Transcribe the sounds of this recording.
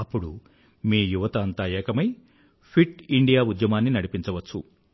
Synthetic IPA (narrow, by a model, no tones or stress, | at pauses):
ɐpːuɽu | miːjuʋɐt̪aːnt̪aːjɛːkɐmɐj | pʰiʈiɳɖijaːud̪jɐmaːnːinɐɽipiɲt͡ʃɐʋɐt͡ʃːu